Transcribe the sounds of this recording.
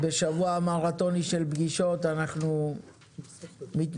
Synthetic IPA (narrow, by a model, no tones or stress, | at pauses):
beʃavuamaʁat̪o̞niʃelbɡiʃo̞t̪anaχnu | mit̪